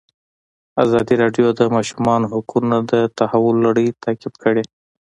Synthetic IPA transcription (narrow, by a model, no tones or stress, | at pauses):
azɑd̪iɾɑɖjod̪əmɑʃumɑnohʊkunad̪ət̪ahawʊlːaɽəjt̪akɪbkəɽe